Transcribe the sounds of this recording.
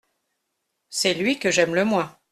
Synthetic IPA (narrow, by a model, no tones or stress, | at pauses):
sɛlɥikəʒɛmləmwɛ̃